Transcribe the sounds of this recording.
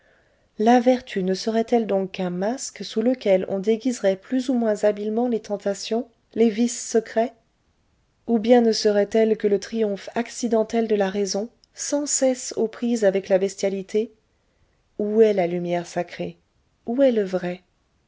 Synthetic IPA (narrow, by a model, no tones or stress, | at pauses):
lavɛʁt̪ʰynəsəʁɛt̪ɛld̪ɔ̃kːɛ̃masksuləkʲɛlɔ̰̃d̪eɡʲizʁɛplyzumwɛ̃zabilmɑ̃let̪ɑ̃t̪asjɔ̃ | levisːəkχɛ | ubjɛ̃nəsəʁɛt̪ɛlkələt̪χijɔ̃faksid̪ɑ̃t̪ɛld̪əlaʁezɔ̃ | sɑ̃sɛsopχizavɛklabɛst̪jalit̪ʰe | uɛlalymjɛʁsakχe | uɛləvʁɛ